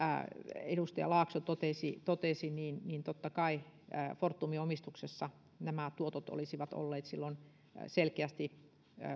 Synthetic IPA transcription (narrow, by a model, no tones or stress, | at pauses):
edust̪ɑjɑ̰lɑːksot̪ot̪esit̪ot̪esiniːnniːnt̪ot̪ːɑkɑifort̪ːumiomist̪uksesːɑ | næmæt̪uot̪ot̪o̰lisiʋɑt̪o̰lːeːt̪silːon̰ | selkeæst̪i